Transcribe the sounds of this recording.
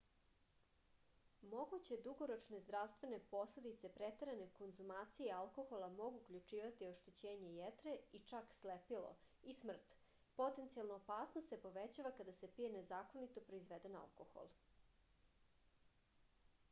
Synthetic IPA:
mo̞ɡut͡ɕed̪uɡoɾot͡ʃne̞zd̪ɾast̪ʋe̞ne̞po̞sled̪it̪se̞pɾet̪eɾane̞ko̞nzumaːt̪sijealˠko̞xolˠamo̞ɡuːkʎʲut͡ʃiːʋat̪ioʃt̪et͡ɕeːɲe̞jet̪ɾeit͡ʃakslepilo̰ | ismr̩t̪ | po̞t̪e̞nt̪sialˠnoːpaːsnosepo̞ʋet͡ɕaʋakad̪asepije̞nezaːkonit̪opɾo̞izʋed̪ena̰lˠkoxo̰lˠ

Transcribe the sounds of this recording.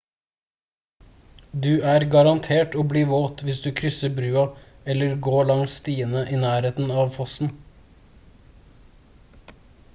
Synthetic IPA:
d̪ʉːæːɾɡɑɾɑnt̪ʰeːʈoːbliːʋoːt̪ʰʋɪsd̪ʉːkʰɾʏsəbɾʉːɑ | ɛləɾɡoːɭɑŋst̪iːənəʔiːnæːɾeːt̪n̩ɑːʋfɔsn̩

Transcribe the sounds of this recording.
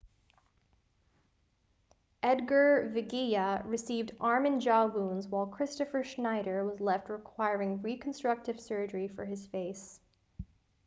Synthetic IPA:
ʔɛd̚ɡə˞vɨɡiəɹɨsivdɑɹmɨ̃nd͡ʒɔwũnzwaɪlˠkʰɹ̥ɪstɨfə˞ʃnaɪɾə˞wʌzlɛft̚ɹɨkʰw̥aɪɹɪ̃ŋɹikʰn̩stɹ̥ʌk̚tɨv̥sɜ˞d͡ʒə˞ifə̰˞ɨz̥feɪs

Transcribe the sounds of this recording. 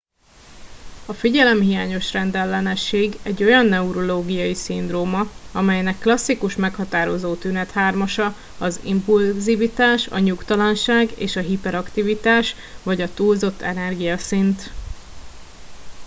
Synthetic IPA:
ɒfiɟɛlɛmhijaːɲo̞ʃrɛnd̪ɛlːɛnɛʃːeːɡɛɟːo̞jɒnːɛuɾo̞loːɡijɒjisind̪roːmɒɒmɛjnɛkːlɒsːikuʃmɛkhɒt̪aːɾo̞zoːt̪ynɛt̪haːrmɒʃɒ | ɒzḭmpulzivit̪aːʃɒ̰ɲukt̪ɒlɒnʃaːɡḛːʃɒɦipɛɾɒkt̪ivit̪aːʃ | vɒɟɒt̪uːlzo̞t̪ʰːɛnɛrɡijɒsint̪

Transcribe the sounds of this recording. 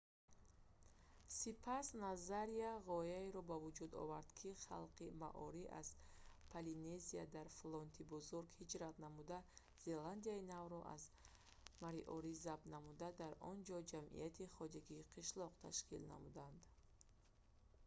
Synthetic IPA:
sipʰasnazaɾiaʁɔjaeɾɔbavud͡ʒud̪ɔ̰vaɾd̪kʰiχa̰lqima̰ʔɔɾiʔa̰z̥pʰaline̞ziad̪aɾflɔnt̪ʰibuzuɾɡhid͡ʒɾat̪namud̪a | z̥e̞land̪ijainavɾɔʔa̰z | maɾiʔɔɾizab̪namud̪ad̪aɾɔnd͡ʒɔd͡ʒamʔḭjat̪ʰiχɔd͡ʒaɡiːqʰiʃlɔqt̪ʰa̰ʃkḭlna̰mud̪and̪

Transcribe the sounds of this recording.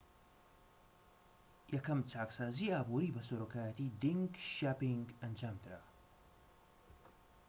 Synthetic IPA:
jɐkɐmt͡ʃaːksaːziaːbuɾiːbɐsɐɾokʰaːjat̪id̪iŋɡʃapiŋɡɐnd͡ʒaːmd̪ɨɾa̰

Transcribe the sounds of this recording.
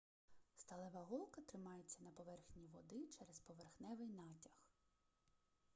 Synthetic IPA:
st̪ɐlˠɛʋɐɦɔlˠkɐt̪ɾɪmɑjet͡sʲːɐnɐpɔʋɛrxnʲiʋɔd̪ɪt͡ʃɛɾɛspɔʋerxnɛʋɪjnɑtʲɐx

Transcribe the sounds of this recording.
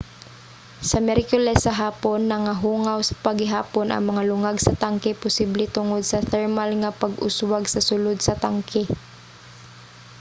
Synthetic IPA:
sɐmɛɾkʊlɛsːɐɦaːponːɐŋaɦuːŋawsɐ̥pɐɡɪɦa̰ːponʔɐ̰ŋmɐŋalʊŋaɡsɐt̪aŋkɪpʊsiblɛt̪ʊŋod̪̚sɐθɛɹmalŋapɐɡʔʊswaɡsɐsʊlʊd̪̚sɐt̪aŋkʰɪ

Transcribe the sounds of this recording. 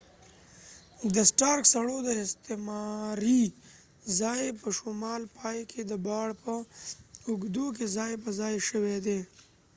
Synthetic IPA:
d̪əsʈɑːɾksɐɽod̪əɪst̪emaɾi | zaːjepəʃomɑːlpaːjkʰed̪əbɑːɽpə | ʊɡd̪uk̬ezaːjepəzaːjʃəwed̪e

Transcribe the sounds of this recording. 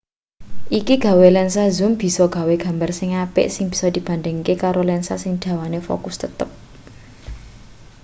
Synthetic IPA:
ʔikiɡ̥a̤welɛnsazʊ̤mb̥i̤sɔɡ̥ä̤weɡ̥ä̤mbarsɪŋapɪ̰ʔsɪŋb̥i̤̥sɔd̪̥i̤b̥a̤nd̪ɪŋkekaɾolɛnsasɪŋd̪̥ä̤wanefo̰kʊst̪ət̪əp̚

